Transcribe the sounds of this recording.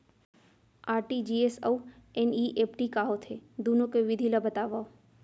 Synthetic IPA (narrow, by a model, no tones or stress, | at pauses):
aːɾʈid͡ʒiesəweniʔepʈikaɦot̪ʰed̪unõkeʋɪd̪ʱiləbət̪aʋao